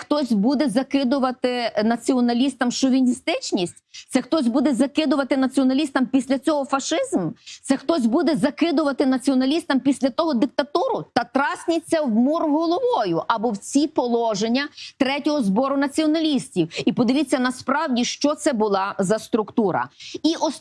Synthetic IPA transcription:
xt̪ɔsʲbud̪ɛzɐkɪd̪ʊʋɐt̪ɪnɐt͡sʲiɔnɐlʲist̪ɐmʃɔʋʲinʲist̪ɪt͡ʃnʲisʲtʲt̪sɛxt̪ɔsʲbud̪ɛzɐkɪd̪ʊʋɐt̪ɪnɐt͡sʲiɔnɐlʲist̪ɐmpʲisʲlʲɐt͡sʲɔɦɔfɐʃɪzmt̪sɛxt̪ɔsʲbud̪ɛzɐkɪd̪ʊʋɐt̪ɪnɐt͡sʲiɔnɐlʲist̪ɐmpʲisʲlʲɐt̪ɔɦɔd̪ɪk̚t̪ɐt̪uɾʊt̪ɐt̪ɾɑsʲnʲɪt͡sʲːɐwmurɦɔlˠɔʋɔjʊʔɐbɔwt͡sʲipɔlˠɔʒenʲːɐt̪ɾɛtʲɔɦɔzbɔɾʊnɐt͡sʲiɔnɐlʲisʲtʲiwipɔd̪ɪʋʲit͡sʲːɐnɐspɾɑwdʲiʃt͡ʃɔt̪sɛbʊlˠɑzɐst̪ɾʊkt̪uɾɐ̰iʔɔs

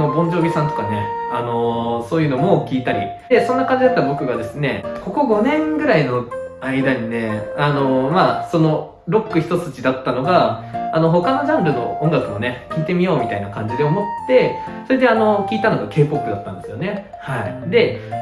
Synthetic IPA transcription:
obõ̞ɲ̟d͡ʑo̞ːbʲisãnt̪o̞̥kane̞̰ano̞so̞ːjɯ̟no̞mo̞kʲiːt̪aɾʲḭ | e̞sõ̞nːakãɲ̟d͡ʑid̪at̪ːabo̞kɯ̟ɡad̪e̞sɨne̞̰ko̞ko̞ɡo̞nẽ̞ŋɡɯ̟ɾaino̞aid̪aɲ̟ine̞ano̞maso̞no̞ | ɾo̞kːɯ̟çʲi̥t̪o̞t͡sɨ̥t͡ɕid̪at̪ːano̞ɡaːno̞ɦo̞kano̞ʑãnɾɯ̟no̞̰õŋɡakɯ̟one̞kʲiːt̪e̞mʲijo̞ːmʲit̪ainakãɲ̟d͡ʑid̪e̞omo̞t̪ːe̞so̞ɾe̞d̪e̞ano̞kʲiːt̪ano̞ɡake̞ːpo̞kːɯ̟d̪at̪ːã̰nd̪e̞sɨjo̞ne̞ | haid̪e̞

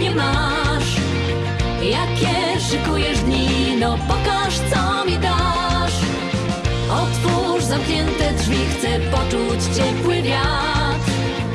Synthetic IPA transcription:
ɲɛma | ʂ | jakʲɛ | ʂɨkujɛʐd̪ɲinɔpɔkaʂt̪sɔ | mʲid̪a | ʂ | ɔt̪fu | ʐzamkɲɛnt̪ɛdʐvʲixt̪sɛpɔt͡ʂut͡ɕt͡ɕɛkwɘvʲja | s

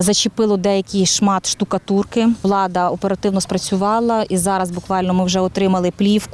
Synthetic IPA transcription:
zɐt͡ʃɪpɪlˠɔd̪ɛjɐkʲiʃmɑt̪ʃt̪ʊkɐt̪urkɪʋlˠɑd̪ɐɔpeɾɐt̪ɪwnɔspɾɐt͡sʲʊʋɑlˠɐizɑɾɐzbʊkʋɑlʲnɔmɪwʒɛɔt̪ɾɪmɐlˠɪplʲiwk

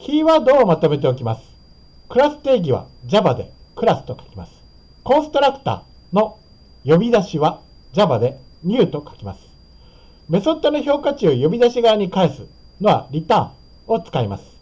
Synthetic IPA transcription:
kʲiːβaːd̪o̞ːmat̪o̞me̞t̪̬e̞o̞kʲimasɨ̥ | kɯ̟ɾasɨ̥t̪e̞ːɡʲiβ̞a̰d͡ʑabad̪e̞kɯ̟ɾasɨ̥t̪o̞kḁkʲimasɨ̥ | kõ̞ɰ̃sɨ̥t̪o̞ɾakɯ̥t̪a̰ː | no̞ | jo̞bʲid̪aɕiβa | d͡ʑabad̪e̞ɲ̟ʲɨːt̪o̞kḁkʲimasɨ̥ | me̞so̞t̪ːonoço̞ːkat͡ɕɨːjo̞bʲid̪aɕiɡaːɲ̟ikaesɨno̞βa̰ɾʲit̪ãː | o̞t͡sɨ̥kaimasɨ̥

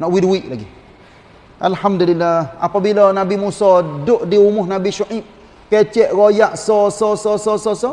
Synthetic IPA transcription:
nɔʔwidwiʔlaɡi | ʔalhamdulilːaa̰pabilanabimusɔdoʔdiumuhnabiʃuʔĩ | kɛt͡ʃɛʔɾɔjaʔsɔsɔsɔsɔsɔsɔ

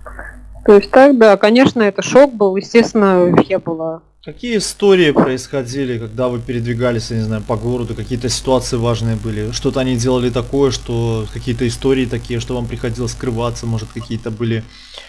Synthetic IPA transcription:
t̪oɪsʲt̚ʲt̪ak̚d̪akɐnʲeʂnəɛt̪əʂok̚bɨlˠjɪsʲtʲest̪vʲɪnəvʲjʲepɨlˠə | kɐkʲijəɪst̪o̞ɾʲɪɪpɾəɪsxɐdʲilʲɪkɐɡ̚d̪avɨpʲɪɾʲɪd̪vʲɪɡalʲɪsʲjanʲɪznajʊpɐɡo̞ɾəd̪ʊkɐkʲijət̪əsʲɪ̥t̪ʊat̪sɨjɪvaʐnɨjəbɨlʲɪʂt̪o̞t̪əɐnʲidʲe̞lˠəlʲɪt̪ɐko̞jəʂt̪okɐkʲijət̪əɪst̪o̞ɾʲɪːt̪ɐkʲijəʂt̪o̞vampɾʲɪxɐdʲilˠəsʲskɾɨvat̪səmo̞ʐɨt̪kɐkʲijət̪əbɨlʲɪ

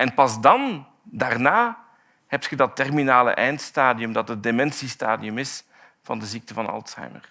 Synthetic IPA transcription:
ʔɛnpɑzdɑn | daːrnaː | hɛp̚txədɑtɛrminaːlə̰ʔɛjntstaːdiɵmdɑtədemɛnsista̰ːdiɵmɪs | v̥ɑ̰ndəzik̚təvɑnɑ̰lˠtsa̰jmə̰r

